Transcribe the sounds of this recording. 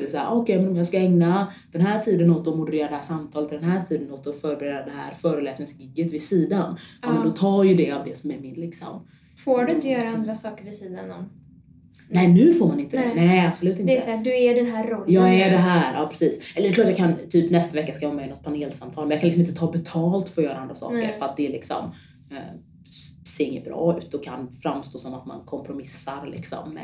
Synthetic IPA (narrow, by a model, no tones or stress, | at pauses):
d̪ɛsahæ̰ːɔkʰɛjmɛnɔmjɑːɡskaɛŋnad̪̥ɛnɦæːʈʰiːd̪ənoːt̪ːɔmʊd̪ɛɾeːɾad̪ɛhæːʂamt̪ʰɑːlət̪d̪ɛnɦæːʈʰiːd̪ənɔt̪ːɔfœːɾbɛɾeːd̪aɖ̪ɛhɦæ̰ːɾfœːɾəlɛːsnɪŋsɡɪɡːət̪vɪsiːd̪anmɛnd̪ɔt̪ʰɑːjɵd̪ɛavd̪ɛsɔmæɾmɪnlɪksɔ̰m | foːɖɪnt̪əjœːɾaand̪ɾasɑːkəɾvɪsiːd̪a̰nɔm | nɛɪnʉ̟ːfoːɾmanɪnt̪ənɛɪab̥sɔlʉ̟ːt̪ɪnd̪tsd̪ɵæɖɛnɦæːɾːɔlːjɑːɡæɖɛɦæːɾɑːpʰɾɛsiːsɛləɾɖɛklɑːʈtjɑːkʰant̪ʰyːpnɛst̪avɛkːaskajɔːɾamɛnɔt̪̚pʰaneːlsamt̪ʰɑːlmɛnjɑkanlɪksɔmɪnt̪ət̪ʰɑːbɛt̪ʰɑːlt̪fœɾɔjœːɾaand̪ɾasɑ̰ːkə̰ɾfœɾat̪̚d̪ɛːlɪksɔ̰m | ɛ | seːɾɪŋːə̰bɾɑ̰ːʉ̟ːt̪̚d̪ɔkʰa̰nfɾamst̪oːsɔmat̪ma̰nkʰɔmpʰɾʊmɪsːaɾlʔɪ̰ksɔ̰mːɛ̰